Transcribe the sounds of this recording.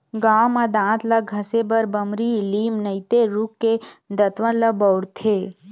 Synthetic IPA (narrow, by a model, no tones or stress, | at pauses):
ɡamãd̪ãt̪laɡʱəsebəɾbəmɾilimnəit̪eɾukːed̪ət̪ʋə̃ləbəwɽt̪ʰe